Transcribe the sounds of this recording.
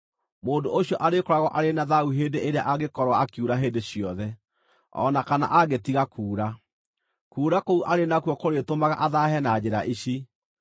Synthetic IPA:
moːndoʔoɕiɔʔaɾekoɾaɣɔʔaɾenaðauɦeːndeʔeɾeaʔaɣekɔɾwaakjuɾaɦeːndeɕjɔðɛ | ɔ̰nakana̰ʔaɣetiɣakuːɾa | kuːɾakouʔaɾenakwɔkoɾetomaɣaʔaðaɦɛnad͡ʑeɾaʔiɕi

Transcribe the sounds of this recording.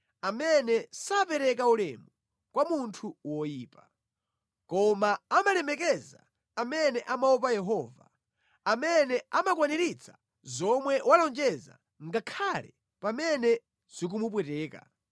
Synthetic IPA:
amɛnɛsapɛɾɛk̬aulɛ̰mu | kwamuntʰuwɔjiːpa | kɔmaːmalɛmɛkɛza̰ː | mɛnɛʔamaɔp̬ajɛɦɔːva̰ | amɛnɛamakwanɛɾit͡sʰḁ | zɔmwɛwalɔnd͡ʒɛza̰ | ŋɡakʰalɛ | pamɛnɛ | z̥ik̬umup̬wɛtɛːka̰

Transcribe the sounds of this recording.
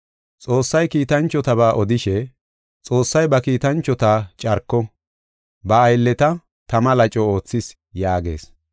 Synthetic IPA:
t͡sʼo̞ːsːɐjkiːt̪ɐnt͡ʃːɔt̪ɐβaːʔɔd̪ɪʃɛ | t͡sʼo̞ːsːɐjbɐkiːt̪ɐnt͡ʃːɔt̪aːt͡ʃʼɐɾkːɔ | bɐːjlːɛt̪ɐ | t̪ɐmɐlɐt͡ʃʼɔo̞ːt͡sːɪs | jaːɡe̞̰ːs

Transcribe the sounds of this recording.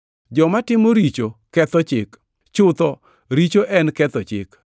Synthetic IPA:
d͡ʒɔmatɪmoɾit͡ʃokɛt̪ɔt͡ʃɪk | t͡ʃʊt̪ɔ | ɾit͡ʃoʔɛnkɛt̪ɔt͡ʃɪ̰k

